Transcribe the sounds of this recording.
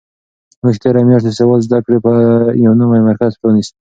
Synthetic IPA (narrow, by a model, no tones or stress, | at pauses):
muʃt̪eɾamjɑʂt̪esewɑlzd̪akɽepəjawnumajmaɾkazponis